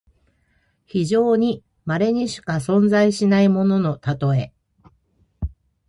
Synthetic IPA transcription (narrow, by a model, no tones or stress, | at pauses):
çiʑo̞ːɲ̟i | maɾe̞ɲ̟iɕi̥kasõ̞nd͡zaiɕinaimo̞no̞no̞t̪at̪o̞e̞